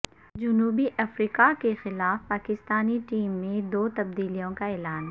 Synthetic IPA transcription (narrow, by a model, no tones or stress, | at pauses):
d͡ʒʊnuːbiʔɐfɾiːkakexɪlaːfpaːkɪst̪aːniʈiːmːẽd̪oːt̪ɐb̚d̪iːlijõkaɛːlaːn